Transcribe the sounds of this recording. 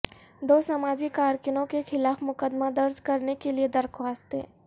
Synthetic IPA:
d̪oːsamaːd͡ʒikaːɾkɪnõkexɪlaːfmʊkəd̪mad̪ɐɾd͡ʒkɐɾnekelied̪ɐɾkʰʋaːst̪ḛː

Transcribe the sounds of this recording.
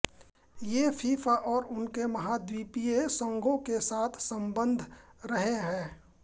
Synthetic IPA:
jefʰiːfaʔɔːɾʊnkemɐɦad̪wiːpiesə̃ŋɡʱõkesaːt̪ʰsə̃mbə̃nd̪ʱɾəɦeɦɛ̃ː

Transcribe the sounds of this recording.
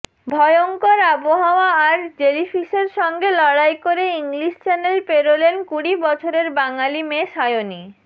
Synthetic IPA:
bʱɔjoŋkoɾaboɦaoaaɾd͡ʑelifʰiʃeɾʃɔŋɡelɔɽajkoɾeiŋliʃt͡ɕɛnelpeɾolenkuɽibɔt͡ɕʰoɾeɾbaŋalimeʃajoni

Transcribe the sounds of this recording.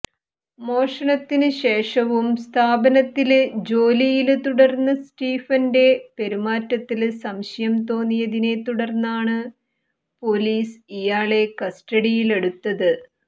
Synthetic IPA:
mo̞ːʂɐɳɐt̪ːinɨɕe̞ːʂɐʋumst̪ʰaːbɐnɐt̪ːild͡ʑo̞ːlijilt̪uɽɐrnːɨsʈiːfɐnde̞pe̞ɾumaːtːɐt̪ːilsɐmɕɐjɐmt̪o̞ːnːijɐðine̞t̪uɽɐrnːaːɳɨ | po̞liːsijaːɭe̞kɐsʈɐɽijile̞ɽut̪ːɐðɨ

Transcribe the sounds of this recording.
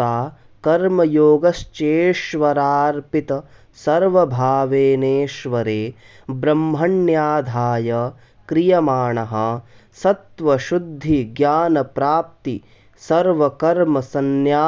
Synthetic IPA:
aː | kɐɾmɐjoːɡɐʃt͡ʃeːʃʋɐɾaːɾpit̪ɐ | sɐɾʋɐbʱaːʋeːneːʃʋɐɾeː | bɾɐmɦɐɳjaːd̪ʱaːjɐ | kɾijɐmaːɳɐɦɐ | sɐt̪ʋɐʃud̪ʱːiɡjaːnɐpɾaːp̚t̪i | sɐɾʋɐkɐɾmɐsɐnjaː

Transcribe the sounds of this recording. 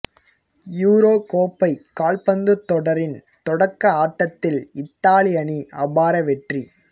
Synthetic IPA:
juːɾoːkoːpːɐɪkːaːɭpɐnd̪ɯt̪ːɔɽɐɾɪnt̪ɔɽɐkːɐaːʈːɐt̪ːɪlɪt̪ːaːɭɪjɐniʔɐbaːɾɐʋɛʈri

